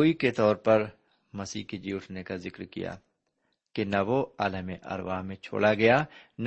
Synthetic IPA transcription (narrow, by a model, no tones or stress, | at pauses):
oːiket̪ɔːɾpɐɾ | mɐsiːɦked͡ʒiːʊʈʰnekazɪkɾkḭja̰ː | kenɐʋoa̰ːləmeʔɐ̰ɾʋaːɦmẽt͡ʃʰo̰ːɽaɡɐjaːn